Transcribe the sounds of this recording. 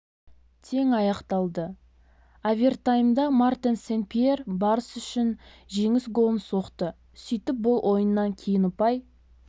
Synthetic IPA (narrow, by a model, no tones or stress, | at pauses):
t̪ʰe̞ŋɑjɑqt̪ɑlˠd̪ə | avʲert̪ajəmd̪ɑmart̪ʲensenpʲierbɑɾəsʏʃɪn | ʒe̞ŋɪsɡo̞lˠənso̞qt̪ə | sijt̪ɪp̚bʊlˠwʔo̞jənːɑŋkʲʰejɪnʊpɑj